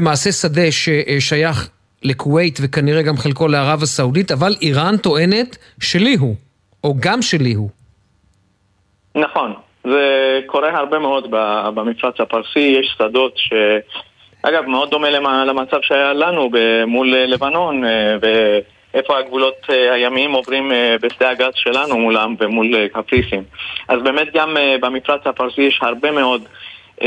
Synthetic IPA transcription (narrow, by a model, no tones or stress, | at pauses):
emaːse̞sade̞ʃeʔʃajaχ | lekuwe̞jt̪vekaniʁe̞ɡamχelko̞leaʁavasaudit̪avalʔiʁant̪o̞ʔe̞ne̞t̪ | ʃeliɦu | ʔo̞ɡamʃe̞liɦu | naχo̞n | zekʰo̞ʁehaʁbemeo̞d̪babamiflat͡shapaʁsijeʃsad̪o̞t̪ʃe̞ | ʔa̰ɡavmeo̞d̪ːo̞me̞lealamat͡savʃeajalanubemullevano̞nve | ʔefo̞haɡvulo̞t̪hajamiimovʁimbesd̪eaɡazʃelanumulamvemulkapʁisimʔazbe̞me̞t̪̚ɡambamifʁat͡shapaʁsijeʃhaʁbe̞meo̞d̪